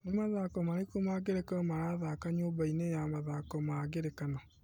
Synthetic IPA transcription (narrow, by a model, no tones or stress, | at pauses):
nemaðakɔmaɾekomaɡeɾekaɔmaɾaðakaɲoːbainejamaðakɔmaɡeɾekanɔ